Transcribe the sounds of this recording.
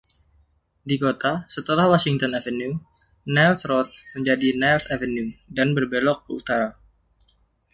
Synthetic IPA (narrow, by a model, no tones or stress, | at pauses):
dikot̪asət̪əlahwasiŋt̪ɔnavənu | nɛlsɾɔt̪̚məɲd͡ʒadinalsavənudanbərbelɔkːəut̪aɾa